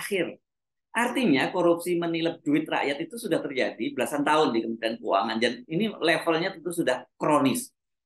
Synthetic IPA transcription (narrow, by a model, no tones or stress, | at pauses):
xɪr | ʔart̪iɲakoɾup̚siməniləp̚d͡ʒuɪt̪̚ra̰ʔjat̪it̪usudaht̪ərd͡ʒadibəlasant̪aʊndikəmut̪ɾiankua̰ŋandaninilefəlɲat̪ənt̪usudahkɾonɪs